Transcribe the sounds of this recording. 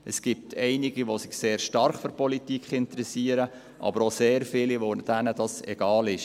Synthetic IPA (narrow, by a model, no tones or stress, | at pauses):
ʔəsɡ̥ip̚t̪ʰɛɪniɡiʋosɪχseːɾʃtɑɾχfyɾpɔlitikχɪntəɾɛsiəɾə | ʔɑ̰bəɾoseːɾfɪliʋod̥ænədɑsɛ̰ɡ̥ɑːlɪʃ